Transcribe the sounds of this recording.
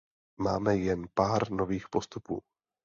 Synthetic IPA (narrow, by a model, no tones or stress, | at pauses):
maːmɛjɛnpaːɾno̞viːxpo̞st̪upṵː